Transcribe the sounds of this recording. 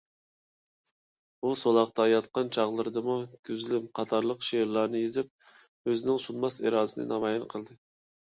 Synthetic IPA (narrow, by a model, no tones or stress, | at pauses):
busolˠɑq̚t̪ʰɑjɑt̪̚qɑnt͡ʃʰɑʁlˠɨɾd̪ɨmukʲyzlɪpqʰɑt̪ʰɑɾlˠəqʃeɾlˠɑɾnɨjezɪp̚ | øzɪnɪŋsunmɑseɾɑːd̪ɪsɪnɨ̰nɑmɑːjɑnqʰəlˠd̪ɨ